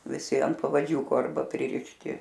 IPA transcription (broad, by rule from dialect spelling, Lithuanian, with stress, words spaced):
ʋʲɪˈsʲɪ ɐnt pɐʋɐˈd͡ʒʲuːkoː ˈɐrbɐ pʲrʲɪrʲɪʃʲˈtʲɪ